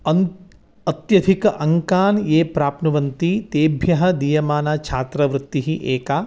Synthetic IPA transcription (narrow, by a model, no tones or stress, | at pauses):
ɐn | ɐt̪jɐd̪ʱikɐʔɐŋkaːnjeːpɾaːpnɐʋɐnt̪it̪eːbʱjɐɦɐ̆d̪iːjɐmaːnat͡ʃʰaːt̪ɾɐʋɾut̪ːiɦiʔeːkaː